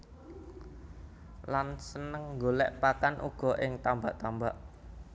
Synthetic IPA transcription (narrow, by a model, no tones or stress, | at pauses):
lansənəŋɡolɛʔpakanʔṵɡ̥ɔ̤ʔɪŋt̪ambaʔt̪ambaʔ